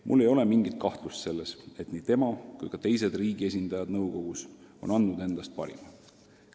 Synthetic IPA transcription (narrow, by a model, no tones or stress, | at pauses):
mʔulːe̞jo̞le̞miŋɡit̪̚ˑkɑht̪lust̪se̞lːese̞t̪niːt̪e̞mɑkujkɑt̪e̞js̬e̞d̪riːɡ̥ie̞s̬ʲind̪̥ɑjɑd̪̥nɤwko̞ɡ̥uso̞̰nɑnd̪ud̪e̞nd̪̥ɑst̪̚pɑ̰ɾḭmɑ